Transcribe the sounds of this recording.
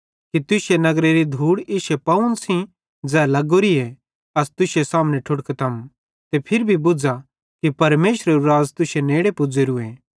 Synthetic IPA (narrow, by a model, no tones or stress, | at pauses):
kit̪ʊsenɐɡɾeɾid̪ʱuːɽɪʃepɐʊ̃nsĩ | d͡zɛːlɐɡoɾie | ɐst̪ʊsesaːmneʈʰʊɽket̪ʰɐm | t̪epʰɪɾbʱibʊd͡za | kipɐɾmeːʃɾeɾuɾaːd͡zt̪ʊʃeneːɽepʊd͡zeɾueː